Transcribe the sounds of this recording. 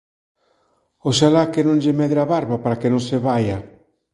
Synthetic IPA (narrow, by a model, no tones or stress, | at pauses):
oʃalakenõŋʎemeðɾaβaɾβapaɾakenõŋseβaja